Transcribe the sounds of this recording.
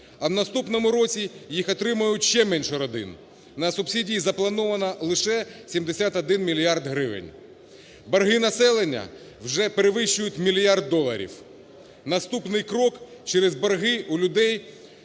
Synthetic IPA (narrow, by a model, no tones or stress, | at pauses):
ɐwnɐst̪upnɔmʊɾɔt͡sʲijixɔt̪ɾɪmɐjʊtʲʃt͡ʃɛmɛnʲʃɛɾɔd̪ɪ̰n | nɐsʊbsʲidʲijizɐplˠɐnɔʋɐnɐlˠɪʃɛsʲimd̪esʲat̪ɐd̪ɪnmʲilʲijɑrd̪ɦɾɪʋɪ̰nʲ | bɐrɦɪnɐsɛlˠenʲːɐ̰ | wʒɛpeɾeʋɪʃt͡ʃʊjʊtʲmʲilʲijard̪̚ːɔlˠɐ̰ɾʲḭw | nɐst̪upnɪjkɾɔkt͡ʃɛɾɛzbɐrɦɪulʲʊd̪ɛj